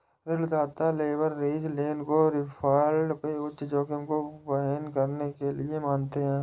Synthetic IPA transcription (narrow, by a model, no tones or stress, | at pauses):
d̪ɪɾlɪt̪aːt̪aleːʋəɾːeːd͡ʒleːnkoɾɪpʰaːlɖkeʊʃd͡ʒõːkɪnkopənkəɾnekelɪemaːnt̪eɦɛ̃ː